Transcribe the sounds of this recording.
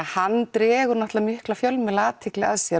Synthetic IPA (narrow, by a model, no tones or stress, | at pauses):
hanːt̪ɾɛːɣʏɾnaht̪lamʏhklafjœlmɪlaaːt̪ʰɪklɪaðsjɛ